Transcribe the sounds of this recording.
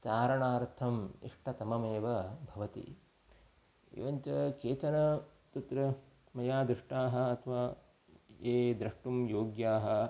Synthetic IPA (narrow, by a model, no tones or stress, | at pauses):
t͡ʃaːɾɐɳaːɾt̪ʰɐmḭʂʈʰɐt̪ɐmɐmeːʋɐbʱɐʋɐt̪ḭ | ḭʋɐɲt͡ʃɐkeːt͡ʃɐnɐ | t̪ɐt̪ɾɐ | mɐjaːd̪ɾɪʂʈaːɦɐ̆ɐt̪ʰɐʋaː | eːd̪ɾɐʂʈumjoːɡjaːɦɐ̆